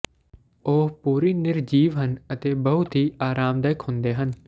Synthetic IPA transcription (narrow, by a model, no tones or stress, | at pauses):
oːɦpuːɾiːnɪɾd͡ʒiːʋɦənət̪eːbəɦʊt̪ɦiːaːɾaːmd̪əjəkɦʊ̃nd̪eːɦən